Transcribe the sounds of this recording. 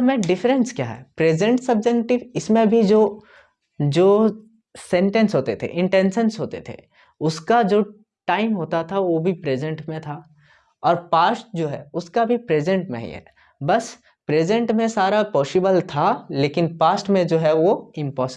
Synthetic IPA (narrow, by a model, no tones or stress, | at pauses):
mɛ̃ɖɪfɾə̃nskjaːɦɛ̰ːpɾeːd͡ʒə̃ɳʈsɐbd͡ʒɛkʈɪʋɪsmẽbʱid͡ʒoː | d͡ʒoː | sɛ̃ɳʈẽnsɦoːt̪et̪ʰḛʔɪ̃ɳʈẽːnʃə̃nsɦoːt̪et̪ʰḛ | ʊskad͡ʒoː | ʈaːɪmɦoːt̪at̪ʰaʋobʱipɾeːd͡ʒə̃ɳʈmẽt̪ʰa | ɔːɾpaːsʈ̚d͡ʒoːɦɛʊskabʱipɾeːd͡ʒẽɳʈnə̰ɦḭ̃ɦɛ̰ː | bɐs | pɾeːd͡ʒə̃ɳʈmẽsaːɾapɔːsɪbəlt̪ʰaleːkɪnpaːsʈmẽd͡ʒoːɦɛʋoɪ̃mpɔːsɪ